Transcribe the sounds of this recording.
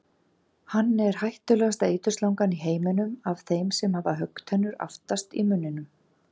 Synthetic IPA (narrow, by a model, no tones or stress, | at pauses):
hanːɛɾ̥hajht̪ʏlɛɣast̪aeːjt̪ʏslawŋkaniɦeːjmɛnʏmav̥θejmsɛmhavaɦœkːt̪hɛnːʏɾa̰ft̪ast̪ḭmʏnːɪnʏm